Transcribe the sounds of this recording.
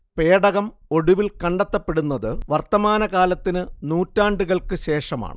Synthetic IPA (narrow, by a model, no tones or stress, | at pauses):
pe̞ːɽɐɣɐmo̞ɽuʋilkɐɳɖɐt̪ːɐpːe̞ɽunːɐðɨʋɐrt̪ːɐmaːnɐkaːlɐt̪ːinɨnuːtːaːɳɖuɣɐɭkɨɕe̞ːʂɐma̰ːɳɨ